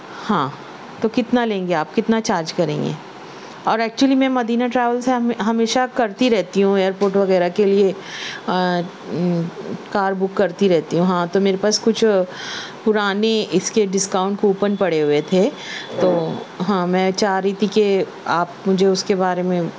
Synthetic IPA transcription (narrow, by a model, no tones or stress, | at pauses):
hãː | t̪okɪt̪nalẽːŋɡeaːpkɪt̪nat͡ʃaːɾd͡ʒkɐɾḛ̃ːŋɡḛː | ɔːɾɛːk̚t͡ʃuəlimɛ̃mɐd̪iːnaʈɾɛːʋəlseɦɐmeːʃakɐɾt̪iɾɛɦt̪iɦũeːəɾpoːɾʈʋɐɣɛːɾakelie | kaːɾbʊkːɐɾt̪iɾɛɦt̪iɦũɦãːt̪omeːɾepaːskʊt͡ʃʰ | pʊɾaːneɪskeɖɪskaːʊ̃ɳʈkouːpənpɐɽeɦʊet̪ʰe | t̪oːɦãːmɛ̃t͡ʃaːɦɾit̪ʰike | aːpmʊd͡ʒʱeʊskebaːɾemẽ